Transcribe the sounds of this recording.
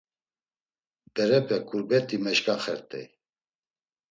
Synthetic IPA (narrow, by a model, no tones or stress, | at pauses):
d̪̥ɛɾɛpʰʼɛkʼuɾbɛt̪ʼimɛʃkʼaχɛɾt̪ʼɛ̰j